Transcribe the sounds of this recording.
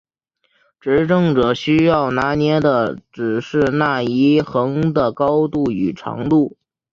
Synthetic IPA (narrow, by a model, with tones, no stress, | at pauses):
ʈ͡ʂɻ̩˧˥ʈ͡ʂɤ˥˩ŋʈ͡ʂɤ˨˩ɕy˥jɑ˥˩ʊna˧˥njɛ˧˥d̪ə˧˨ʈ͡ʂɻ̩˨˩ʂɻ̩˥˧na˥˩i˧˥xɤ˧˥ŋd̪ə˨kɑ˥ʊt̪u˥˩y˨˩ʈ͡ʂʰɑ̰˧˥ŋt̪u˥˩